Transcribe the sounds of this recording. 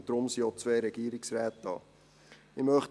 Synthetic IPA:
d̥̪ɾʊmsiot͡sveɾɛɡ̥iːəɾɪksɾɛːtɑ̰ː | imœχ

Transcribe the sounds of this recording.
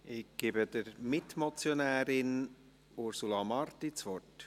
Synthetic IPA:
ɪɡ̥eːbəd̥əɾmɪtmɔt͡sjonæːɾɪn | ʊɾsulɑmɑɾtit͡sʋɔrt

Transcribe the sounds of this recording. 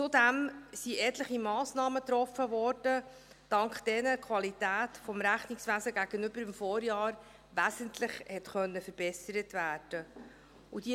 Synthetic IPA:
t͡sudæmsiʔɛt̪ləχimɑːsnɑːmət̪ɾɔfːəvɔɾd̥ə | d̥ɑŋkχd̥ɛnəkʰʋɑlitæːtfɔmɾæχniksʋæsəɡæɡ̥ənʏbəɾɪmfɔːɾjɑːɾ | ʋæsəntlɪχhɛtχœnːəfəɾb̥ɛsəɾətvæːd̥ə | ud̥i

